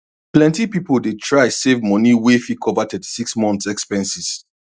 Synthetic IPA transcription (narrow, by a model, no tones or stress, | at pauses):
plɛ̃ntipipoldetʰɹaɪsevmɔ̃niwefikʰɔvatʰɛti̥siksmɔ̃nθsɛkspɛ̃nsis